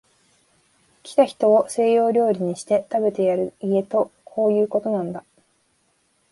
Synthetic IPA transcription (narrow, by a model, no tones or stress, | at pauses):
kʲi̥t̪açi̥t̪o̞ːse̞ːjo̞ːɾʲo̞ːɾʲiɲ̟iɕi̥t̪e̞t̪abe̞t̪e̞jaɾɯ̟ie̞t̪o̞kʰo̞ːjɯ̟ːko̞t̪o̞nãnd̪a